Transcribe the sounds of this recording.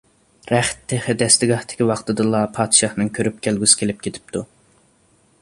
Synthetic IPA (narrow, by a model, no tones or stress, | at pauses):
ɾæχt̪ʰːeχɪd̪ɛst̪ɪɡɑht̪ɪ̥kʲiwɑχt̪ɨd̪ɨlˠɑpʰɑːd̪̥ʃɑχnɨŋkʲʰøɾyp̚kʲʰælɡʲysɪ̥kʲʰelɪp̚kʲʰet̪ʰɪ̥p̚t̪ʰu